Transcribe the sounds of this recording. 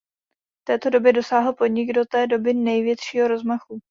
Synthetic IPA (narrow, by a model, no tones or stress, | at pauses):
ft̪ɛːt̪o̞do̞bjɛdo̞saːɦl̩po̞dɲɪɡdo̞t̪ɛːdo̞bɪnɛjvjɛt̪ʃiːɦo̞ɾo̞zmaxu